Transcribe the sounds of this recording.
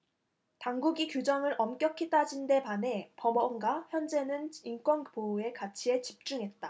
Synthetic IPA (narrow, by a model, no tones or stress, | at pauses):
taŋɡuɡikjud͡ʑʌŋɯɾʔʌmk͈jʌkʰit͈ad͡ʑinde̞pane̞pʌmʌŋɡwaçjʌnd͡ʑe̞nɯnink͈wʌnpoue̞kat͡ɕʰie̞t͡ɕip̚t͡ɕ͈uŋɦe̞t̚t͈a